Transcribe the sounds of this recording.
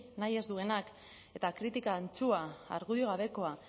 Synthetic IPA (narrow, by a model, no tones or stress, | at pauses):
naje̞zd̪ue̞nak | e̞t̪akɾit̪ikaːnt͡sua̰ːɾɣ̞uðioɣaβe̞ko̞a